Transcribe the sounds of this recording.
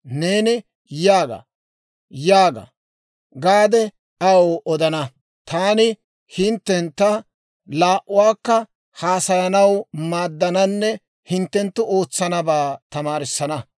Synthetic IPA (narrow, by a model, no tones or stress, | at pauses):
ne̞ːnɪ | jaːɡɐ̰ | jaːɡɐ̰ | ɡaːd̪ɛ | ɐwoʔɔd̪ɐnɐ | t̪aːnɪ | hɪnt̪ːɛnt̪ːɐ | laːʔʊwaːkːɐ | haːsɐjɐnɐwmaːd̪ːɐnɐnːɛ | hɪnt̪ːɛnt̪ːʊʔo̞ːt͡sːɐnɐbaːt̪ɐmaːɾɪsːɐnɐ